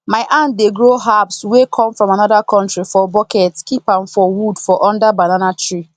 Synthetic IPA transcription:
maɪʔãndeɡɹoɦapswekʰɔ̃mfɹɔ̃manɔdakɔ̃ntɹifɔbɔkɛtkipãmfɔwudfɔʔɔ̃ndabananatɹi

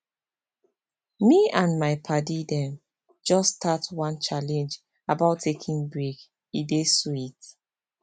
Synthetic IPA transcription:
miãnmaɪpʰadidɛ̃m | d͡ʒɔstʰatwãnt͡ʃalɛ̃nd͡ʒ | abaʊtʰːekʰĩnbɹek | idesit

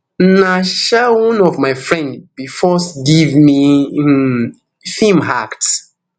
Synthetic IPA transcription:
naʃɛwɔ̃nɔvmaɪfɹɛ̃ndb̥ifɔsɡivmi | fĩmɦakt

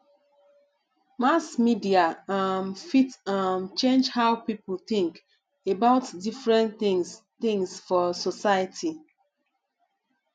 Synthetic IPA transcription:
masmidiaãmfitãmt͡ʃẽnd͡ʒhaʊpipl̩t̪ĩŋk | ebaʊtdifɹɛ̃nĩŋs | t̪ĩŋsfɔsosajətʰi

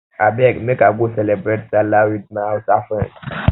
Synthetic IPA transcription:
abɛkmɛ̃kaɡosɛlɛbɾɛt̚salawit̚nãsafɛ̃

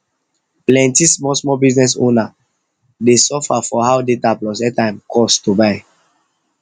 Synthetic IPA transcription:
plɛ̃ntismɔsmɔbiznɛs̬õ̰na | desɔfafɔhawdetaplɔs̬ɛtãɪ̃mkʰɔstubaɪ

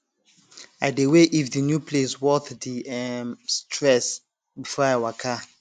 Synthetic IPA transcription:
aɪdeweʔifðənjupʰleswɔθdiɛmstʰɹɛs | bifɔawakʰa

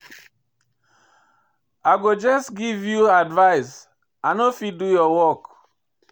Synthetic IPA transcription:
aɪɡod͡ʒɔsɡivjuadvaɪs | anofid̚dujɔwɔk

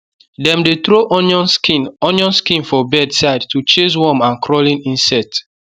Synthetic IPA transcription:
dɛ̃mdet̪ɾoʔɔnɔnkinɔnjɔ̃nskĩnfɔbɛdsaɪdtut͡ʃes̬wɔmãnkʰɹɔlĩnĩnsɛk̚t

